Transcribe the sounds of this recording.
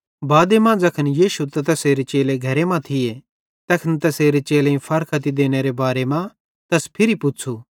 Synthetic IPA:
baːd̪emãd͡zɐkʰənjiːʃut̪ɛt̪ɐseːɾet͡ʃeːleɡʱɐɾemãt̪ʰɪje | t̪ɐkʰənt̪ɐseːɾet͡ʃeːleĩpʰɐɾkʰɐt̪̬id̪eːñeɾebaːɾemã | t̪ɐspʰɪɾipʊt͡ʃʰu

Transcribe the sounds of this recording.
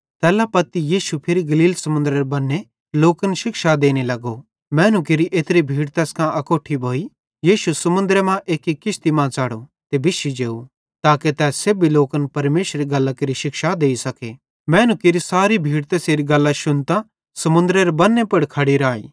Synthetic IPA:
t̪ɛːlapɐt̪ijiːʃupʰɪɾiɡɐliːlsɐmʊ̃nd̪ɾeɾbɐnːe | loːkənʃɪkʃad̪eːnelɐɡo | mɛ̃ːnuk̬ɪɾiʔeːt̪ɾibʱiːɽt̪ɛːskʰãʔɐkoːʈʰibʱoːi | jiːʃusɐmʊ̃nd̪ɾemãʔeːkikːɪʃt̪imãt͡saːɽot̪ebɪʃid͡ʒeːu | t̪aːket̪ɛːseːbiloːkənpɐɾmeːʃɾiɡɐlːakɪɾiʃɪkʃad̪eːisɐke | mɛ̃ːnukɪɾisaːɾibʱiːɽt̪ɛːseɾiɡɐlːaʃʊnt̪ã | sɐmʊ̃nd̪ɾeɾebɐnːepɐɽkʰɐɽiɾaːḭː

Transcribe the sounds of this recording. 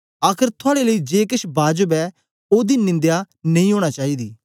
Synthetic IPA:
aːkʰəɾt̪ʰʊaːɽeːləiːd͡ʒeːkɪʃbaːd͡ʒəbɛː | oːd̪iːnːɪ̃nd̪jaː | nəĩːɦoːɽ̃aːt͡ʃaːiːd̪iː

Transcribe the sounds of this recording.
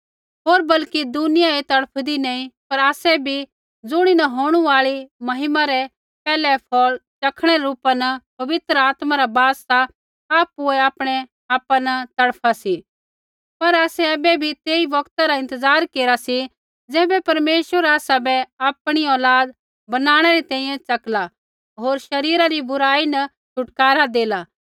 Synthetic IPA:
ɦoːɾbɐlkid̪ʊnɪjaet̪ɐɽpʰd̪inɐːĩpɐɾaːsɛbʱi | d͡zʊɽ̃inɐɦoːɽ̃uaːɭimɐɦɪmaɾɛ | pɛːlɛpʰɔːlt͡ʃɐkʰɽ̃ɛɾɛɾuːpanɐpɐʋɪt̪ɾəaːt̪maɾabaːsːa | aːpuɛaːpɽ̃ɛ | aːpanɐt̪ɐɽpʰasi | pɐɾaːsɛɛːbɛbʱit̪eːiʋɐkt̪aɾaɪ̃nt̪əzaːɾkeːɾasi | d͡zɛːbɛpɐɾmeːʃəɾaːsabɛaːpɽ̃iɔːlaːd̪̚ | bɐnaːɽ̃ɛɾɛt̪ɛ̃ːĩːjɛ̃t͡ʃɐkla | ɦoːɾʃɐɾiːɾaɾibʊɾaːinɐ | t͡ʃʰʊʈkaːɾad̪eːla

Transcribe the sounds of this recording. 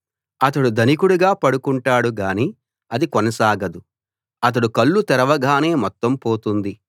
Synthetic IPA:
ɐt̪̬ɐɽud̪ʱɐnikuɽuɡaːpɐɽukuɳʈaːɽuɡaːni | ɐd̪ikɔnɐsaːɡɐd̪u | ɐt̪̬ɐɽukɐɭːut̪ɛɾɐʋɐɡʱaːne̞ːmɔt̪ːɐmpo̞ːt̪und̪i

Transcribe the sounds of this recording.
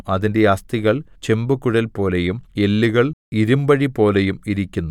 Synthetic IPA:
ɐðinde̞ɐst̪iɣɐɭt͡ɕe̞mbukːuɻɐlpo̞ːle̞jume̞lːiɣɐɭiɾumbɐɻipo̞ːle̞jumiɾikʲːunːu

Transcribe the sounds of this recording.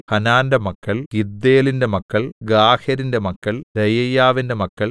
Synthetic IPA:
hɐnaːndɐmɐkːɐɭkid̪ːeːlinde̞mɐkːɐɭɡaːhɐɾinde̞mɐkːɐɭɾɐjɐjːaːʋinde̞mɐkːɐɭ

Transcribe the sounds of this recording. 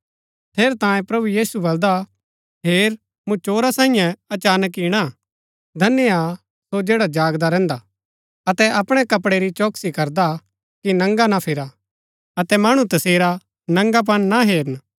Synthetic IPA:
t̪ʰeːɾt̪ãːjẽpɾɐbujiːsubɐld̪a | ɦeːɾ | mũt͡ʃoːɾasãːĩjɛ̃ɐt͡ʃaːnək̬iːɽ̃a | d̪ʱɐnːea | sod͡ʒeːɽad͡ʒaːɡd̪aɾɛ̃ːnd̪a | ɐt̪ɛʔɐpɽ̃ɛkɐpɽeɾit͡ʃoːksikɐɾd̪a | kinɐ̃ŋɡanapʰɪɾa | ɐt̪ɛmaɽ̃ũt̪ɐseːɾa | nɐ̃ŋɡap̬ɐnnaɦeːɾən

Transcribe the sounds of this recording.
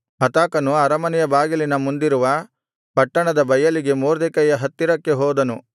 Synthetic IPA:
ɦɐt̪aːkɐnuɐɾɐmɐnɛjɐbaːɡilinɐmund̪iɾuʋɐ | pɐʈːɐɳɐd̪ɐbɐjɐliɡe̞moːɾd̪ɛkɐjɐɦɐt̪ːiɾɐkːe̞ɦɔːd̪ɐnu

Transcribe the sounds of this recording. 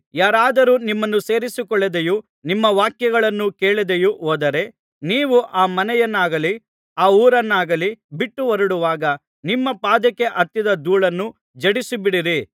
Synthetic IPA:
jaːɾaːd̪ɐɾuːnimːɐnːuse̞ːɾisikɔɭːed̪eju | nimːɐʋaːkjɐɡɐɭɐnːuke̞ːɭid̪ejuʔɦoːd̪ɐɾe̞ | niːʋuʔaːmɐnɛjɐnːaːɡɐli | aːuːɾɐnːaːɡɐlibiʈːuʋɐɾuɽuʋaːɡɐ | nimːɐpaːd̪ɐkːe̞ʔɐt̪ːjid̪ɐd̪uːɭɐnːu | d͡ʒɐɽisubiɽiɾi

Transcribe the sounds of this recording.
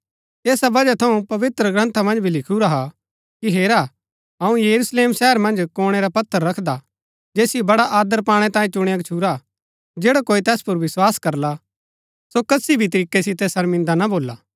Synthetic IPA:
eːsabɐd͡ʒat̪ʰɐũpɐʋɪt̪ɾəɡɾɐ̃nt̪ʰamɐ̃nd͡ʒbʱilɪkʰuɾaɦa | kiɦeːɾa | ɐũjɐɾusleːmsɛɦəɾmɐ̃nd͡ʒkoːɽ̃ɛɾapɐt̪ʰːəɾːɐkʰd̪a | d͡ʒeːsibɐɽaʔaːd̪əɾpaːɽ̃ɛ̃t̪ãːĩt͡ʃʊɽ̃iɐɡt͡ʃʰuɾa | d͡ʒeːɽakoːit̪ɛːspʊɾʋɪswaːskɐɾla | sokɐsibʱit̪̬ɐɾiːkːɛsɪt̪ɛsɐɾmɪ̃nd̪anaboːlːaː

